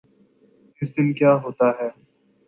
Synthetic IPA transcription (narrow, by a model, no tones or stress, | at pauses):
ɪsd̪ɪnkjaːɦoːt̪aɦɛː